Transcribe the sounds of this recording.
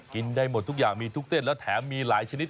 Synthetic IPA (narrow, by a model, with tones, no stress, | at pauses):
ki˧˩nɗə˧jmo˨˩t̚t̪ʰu˦˥k̚za̰ː˧˨˩mi˧t̪ʰu˦˥kt̪e˧nlɔ˨˦t̪ʰɛː˧˦mi˧la̰ː˧˦jt͡ɕe˧ni˦˥t